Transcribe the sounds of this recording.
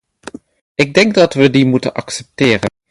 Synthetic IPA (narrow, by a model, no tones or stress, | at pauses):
ʔɪɡ̚dɛŋɡ̚dɑtʋədimutə̰nʔɑksɛp̚tɪːrə̰n